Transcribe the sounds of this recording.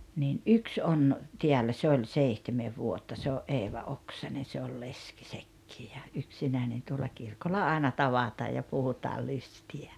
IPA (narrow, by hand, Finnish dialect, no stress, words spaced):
niːn ʔyks on tiælːæ se olʲ seihtemeʋ ʋuotːɑ se oʔ ʔeːʋɑ oksɑne se ol leski sekːiː jɑ yksinæˑenen tuolːɑ kirkolːɑ ɑˑenɑ tɑʋɑtɑːj jɑ puhutɑː lystiæ